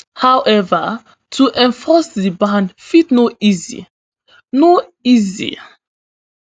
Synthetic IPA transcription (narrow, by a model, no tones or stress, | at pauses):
hawʔɛvə | tʰuʔɛ̃ɱfɔsdibãndfitnoizḭ | noizḭ